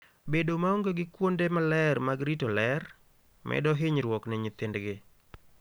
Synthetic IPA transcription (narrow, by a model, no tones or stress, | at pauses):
bedomaoŋɡoɡɪkwondemalɛrmaɡɾitolɛr | mʔɛ̰dɔɦɪɲɾwɔknɛɲɪt̪ɪndɡɪ